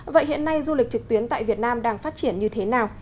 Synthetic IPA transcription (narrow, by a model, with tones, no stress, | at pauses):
və̰˧˨jhḭ˧˨ənːa˧jzu˧lï˨˩k̚t͡ɕɨ˨˩k̚t̪wi˨˦ənt̪a̰ː˧˨jvi˨˩ət̚naː˧mɗaː˧ŋfaː˦˥t̚t͡ɕi˧˩ənɲɨ˧t̪ʰe˨˦naː˨˩w